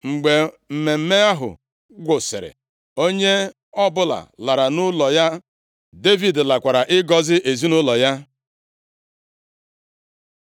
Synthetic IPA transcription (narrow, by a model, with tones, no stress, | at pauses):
ŋ͡m̩˨ɡ͡be˨ | m̩˨me˨m̩˦me˦a˦ɦʊ̰˨ | ɡʷʊ˨sɪ̰˨ɾɪ̰˨ | o˦ɲe˦ | ɔ˦bʊ˦la̰˨la˨ɾa˨nʊ˦lɔ˨ja˦ | de˦vi˨dla˨kʷa˨ɾa˨ʔɪ˦ɡɔ˨zɪ˦ʔe˨zi˦nʊ˦lɔ˨ja˦